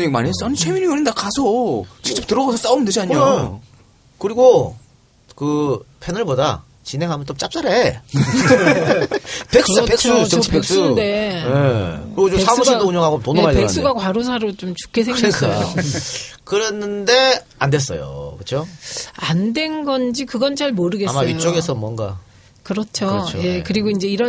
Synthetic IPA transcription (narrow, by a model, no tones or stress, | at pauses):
ɲiɡmaɲies͈ʌnit͡ɕʰeminiɯɾindakasʰot͡ɕi̥kt͡ɕ͈ʌp̚tɯɾʌɡasʰʌs͈aomɯnded͡ʑiaɲ | kɯɾiɡo | kɯpʰenɯɭboda̰ | t͡ɕine̞ŋɦamʌnt͡ɕ͈omt͡ɕ͈ap̚s͈aɾe | peks͈pek̚s͈ut͡ɕek̚s͈uejekkɯɾiɡot͡ɕoesʰamuɕʰidouɲʌŋɦaɡotonomaɭdekns͈uɡakwaɾos̬ʰaɾot͡ɕomt͡ɕu̥kʰːesʰeŋɡka | kɯɾʌnːɯnde̞ | ande̞s̬͈ʌ̰jo̰kɯt͡ɕʰoandwe̞nɡʌnd͡ʑikɯɡʌnt͡ɕaɭmʌɾɯɡe̞smaiot͡ɕ͈oɡesʰʌmwʌnɡa̰ | kɯɾʌt͡ɕʰot͡ɕje̞kɯɾiɡoind͡ʑe̞iɾʌ